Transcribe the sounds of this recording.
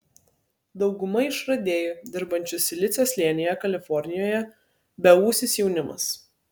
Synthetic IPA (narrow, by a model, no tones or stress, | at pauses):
d̪ɒʊɡʊmɐɪʃɾɐd̪ʲeːjod̪ʲɪɾbɐnʲt͡ʃʲʊsʲɪlʲɪt̪sʲeslʲiɛnʲɪjɛkɐlʲɪfɔɾʲnʲɪjoːjɛ | bʲɛuːsʲɪsjɛʊnʲɪmɐ̰s